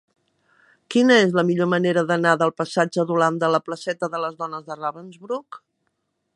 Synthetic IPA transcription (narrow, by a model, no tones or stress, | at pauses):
kinəezləmiʎoməneɾəðənaðəlˠpəsad͡ʒəðuland̪ələpləsɛt̪əðələzðɔnəzðəraβənzβɾuk